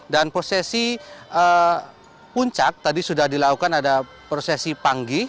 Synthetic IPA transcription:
danpɾosesiʔə | puɲt͡ʃak̚t̪adisudahdilakukanada | pɾosesipaŋɡi

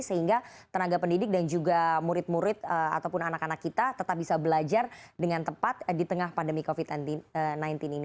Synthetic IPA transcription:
səhiŋɡat̪ənaɡapəndidɪk̚dand͡ʒuɡamuɾɪt̪̚muɾɪt̪̚əa̰t̪awpʊnanakanakːit̪at̪ət̪ap̚bisabəlad͡ʒardəŋant̪əpat̪̚dit̪əŋahpandəmikofid̪̚nant̪ənajnt̪ɪnin

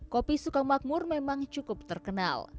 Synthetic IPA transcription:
kopisukamak̚mʊrmemaŋt͡ʃukʊp̚t̪ərkəna̰l

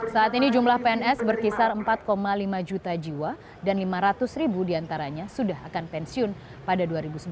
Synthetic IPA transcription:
saːt̪inid͡ʒumlahpeɛnɛsbərkisarəmpat̪̚komalimad͡ʒut̪ad͡ʒiwa | danlimaɾat̪ʊsɾibudiant̪aɾaɲasudahakanpɛnsiʊn | padaduaɾibusəb

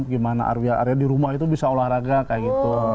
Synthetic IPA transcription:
aɡimana̰ʔa̰rwiaʔa̰ɾiadiɾumahit̪ubisaolahraɡakajaɡit̪u

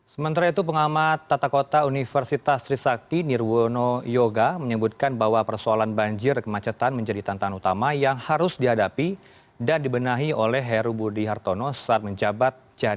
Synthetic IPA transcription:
səmənt̪aɾait̪up̬əŋamat̪ːat̪akot̪aunifərsit̪ast̪ɾisak̚t̪inirwonojoɡaməɲəbut̪̚kanbaɦwapərsoalanbaɲd͡ʒɪrkəmat͡ʃət̪anməɲd͡ʒadit̪ant̪aŋanut̪amajaŋhaɾʊsdiɦadapi | dandibənaɦiolɛɦɛɾubudiɦart̪onosə̥at̪̚məɲd͡ʒabat̪̚d͡ʒadi

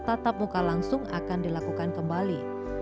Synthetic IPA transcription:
t̪at̪ap̚mukalaŋsʊŋa̰kandilakukankəmbali

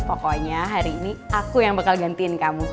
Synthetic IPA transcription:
pɔkɔɲaɦaɾiːniʔakujaŋbəkalɡant̪iɪnkamu

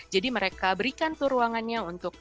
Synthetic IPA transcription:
d͡ʒadiməɾekabəɾikant̪uɾuaŋanɲaunt̪ʊk̚

